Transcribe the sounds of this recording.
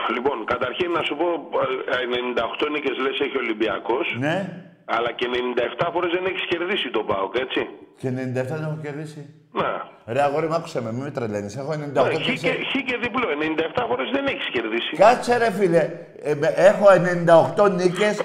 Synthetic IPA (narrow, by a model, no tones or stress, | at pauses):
lipo̞nkɐt̪ɐɾçinːɐsupo̞enenind̪ɐoxt̪o̞nice̞zleseçio̞limbiɐ̰ko̞sne̞ | ɐlɐceenenind̪ɐeft̪ɐfo̞ɾezðeneçi̥sce̞ɾðisit̪o̞bɐoke̞t͡siceene̞nĩnd̪ɐeft̪ɐðenexoceɾðisi | neɾeɐɣoɾimɐku̥sememimet̪ɾelenisexoenenind̪ɐoxtoiseçiceɾðiploenenind̪ɐeft̪ɐfo̞ɾezðe̞neçi̥sce̞ɾðisikɐseɾefile | eexo̞enenind̪ɐoxt̪o̞nice̞s